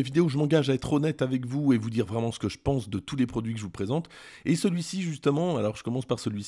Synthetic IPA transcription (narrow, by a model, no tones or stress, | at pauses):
əvid̪eoʒəmɑ̃ɡaʒaɛt̪χɔnɛt̪avɛkvuevud̪iʁvʁɛmɑ̃sə̥kəʒəpɑ̃sd̪ət̪ulepχɔd̪ɥikəʒəvupχezɑ̃t̪ | esəlɥisiʒyst̪əmɑ̃alɔʁʒəkɔmɑ̃spaʁsəlɥis